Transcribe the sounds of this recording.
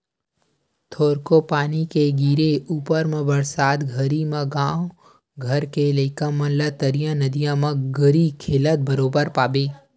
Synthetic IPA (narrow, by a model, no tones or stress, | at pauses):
t̪ʰoːɾkopaːnikeɡiːɾeʔuːpəɾmẽbəɽsaːt̪ɡʱɐɾimɐ̃ɡãː | ɡʱɐɾkeleɪkəmɐ̃lət̪əɾijãnɐd̪ijãmɐ̃ɡəɾikʰeːlət̪̚bəɾoːbəɾpaːbeː